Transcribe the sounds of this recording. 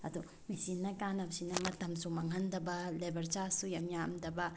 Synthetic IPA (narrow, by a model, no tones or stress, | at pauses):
ɐ̰du | mesinːɐkanɐbsinɐmɐtɐmsumaŋɦɐndɐbɐlebɐɾd͡ʒasujɐmjamdɐbɐ